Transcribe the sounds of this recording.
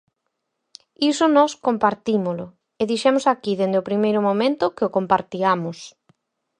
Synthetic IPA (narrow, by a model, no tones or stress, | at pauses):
isʊnɔskompaɾt̪imʊlʊ | eðiʃɛmʊsakiðend̪eopɾimejɾʊmomẽnt̪ʊkɪokompaɾt̪iamʊs